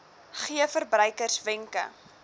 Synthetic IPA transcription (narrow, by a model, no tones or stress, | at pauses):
χiəfərbrœjkərsvɪŋkə̰